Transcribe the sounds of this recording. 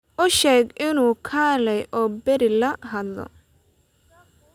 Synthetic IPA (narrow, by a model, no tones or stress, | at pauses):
ʔʊʃɛːɡʔɪnuːkʰaːlɛjʔɔːbɛɾɪlɐɦɐd̪lɔ̰